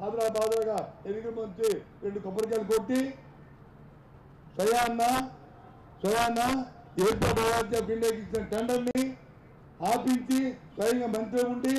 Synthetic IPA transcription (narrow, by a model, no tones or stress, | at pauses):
aːd̪ɾaːbaːd̪laːɡaenikɾɐmɐnt͡ʃiɾe̞ɳɖukɔpːɐɾkaːlɐkoʈːi | sʋɐjaːnːɐ | sʋɐjaːnːɐ | d̪eːɾpoːdɐɾaːt̪̬japiɳɖeːkit͡ʃinɐʈɐɳɖɐnːi | aːpiɲt͡ʃisʋɐjɐŋɡaːmɐnt̪̬eːuɳɖi